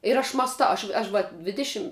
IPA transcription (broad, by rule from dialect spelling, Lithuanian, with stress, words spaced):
ɪr ˈɐʃ mɑːsˈtɐʊ ˈɐʃʲ ˈɐʃ ʋɐ ˈdʲʋʲɪdʲɪʃʲɪm